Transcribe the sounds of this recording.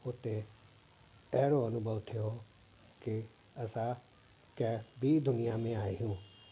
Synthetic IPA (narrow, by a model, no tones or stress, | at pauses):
ʊt̪ːe | ɛːɾoːənʊbəʋt̪ʰeoː | kɪ | əsãː | kɛːbiːd̪ʊnɪjaːmẽːaːiɦũː